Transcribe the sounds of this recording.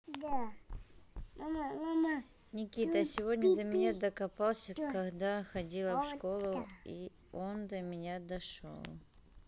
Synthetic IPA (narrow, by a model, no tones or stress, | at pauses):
d̪a | mamamama | nʲɪkʲit̪əsʲɪvodʲnʲəd̪əmʲɪnʲad̪əkɐpalˠsʲəkɐɡd̪axɐdʲilˠəʂko̞lˠʊi | ond̪əmʲɪnʲad̪ɐʂo̞̰lˠ